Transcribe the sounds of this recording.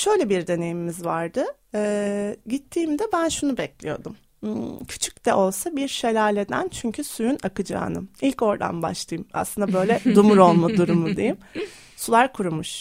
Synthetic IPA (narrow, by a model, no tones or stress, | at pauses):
ʃø̞jlʲɛbiɾd̪e̞ne̞jimimizvaɾd̪ɯ | ɛːɟit̪ʰːiːmd̪ɛbænʃunubɛclʲijo̞̰d̪um | cʰy̥t͡ʃʰy̥c̚d̪ɛʔo̞lˠsabiɾʃelʲaːlʲe̞d̪æ̰nt͡ʃʰyɲcʰysujynakɯd͡ʒa̰ːnɯ̰ilʲco̞ɾd̪a̰nba̰ʃlˠajɯma̰slˠɯnd̪abø̞jlʲɛd̪umuɾo̞lˠmad̪uɾumud̪ejim | sulˠaɾkʰuɾumuʃ